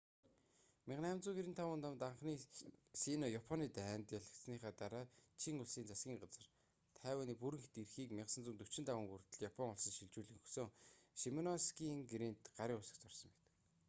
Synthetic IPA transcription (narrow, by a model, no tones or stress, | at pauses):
mɪʁnæːmt͡suːɡiɾĭnt̪ʰːawʊːnt̪amt̪aɴχniːsinɔjapʰɔniːt̪æːnt̪jaɮə̆kt̪sniːχaːt̪aɾaːt͡ɕʰiŋʊɮsiːnt͡sasɡʲiːŋɢat͡sə̆r | t̪ʰæːwəːniːpuɾɘ̆ŋxt̪irxiːkmɪʁsə̆nt͡sunt̪ɵ̥t͡ɕɪ̆nt̪awə̆ːŋɡurt̪ə̆ɮjapʰɔŋʊɮsə̆ŋʃiɮt͡ɕuːɮiːŋxɵxsŏːŋʃimɔnɔskiːŋɡɾint̪ɢaɾʲiːʊsə̆kt͡sɔrsɞ̆mpɛ̥t̪ɘ̥̆k